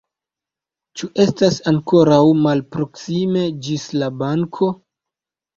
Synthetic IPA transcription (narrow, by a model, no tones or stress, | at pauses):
t͡ʃuʔe̞stasaŋko̞ɾawmalpɾo̞ksime̞d͡ʒislabaŋkʰo̞